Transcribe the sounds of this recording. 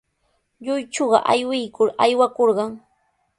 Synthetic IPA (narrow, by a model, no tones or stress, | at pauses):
ʎʊjt͡ʃoɢɑ̰ʔajwɪjkʊɾajwakoɾɢɑŋ